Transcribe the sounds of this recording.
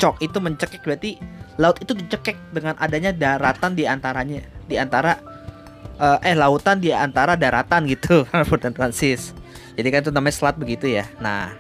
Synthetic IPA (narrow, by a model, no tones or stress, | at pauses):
t͡ʃɔk̚it̪uməɲt͡ʃəkɛk̚bat̪ilaʊt̪it̪udit͡ʃəkɛk̚dəŋanʔadaɲadaɾat̪andiant̪aɾaɲadiant̪aɾa | əːʔəhlaut̪andiant̪aɾadaɾat̪anɡit̪ufut̪ant̪ɾansɪsd͡ʒadikanit̪unamaɲasəlat̪̚bəɡit̪ujana̰h